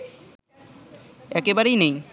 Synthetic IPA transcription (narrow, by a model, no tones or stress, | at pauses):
ɛkebaɾejnej